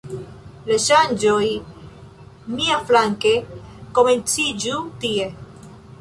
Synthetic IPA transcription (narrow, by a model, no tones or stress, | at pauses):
laʃand͡ʒoj | miaflaŋkekoment͡sid͡ʒut̪ie